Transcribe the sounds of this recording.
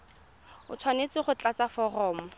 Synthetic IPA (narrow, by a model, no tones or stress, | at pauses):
ʊ̰t͡sʰwanet͡sɪχʊt͡ɬat͡safɔrɔːmʊ